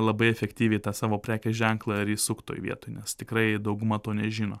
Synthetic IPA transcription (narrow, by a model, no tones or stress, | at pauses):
lˠɐbɐɪɛfʲɛkt̪ʲiːʋʲɛɪt̪ɑːsɑːʋoːpʲɾʲæːkʲɛʒʲɛŋklˠɑɪɾisʊkt̪o̰ːjʋʲḭɛt̪oːjnʲɛst̪ʲɪkɾɐɪd̪ɐʊɡʊmɑːt̪oːnʲɛʒʲiːno̰ː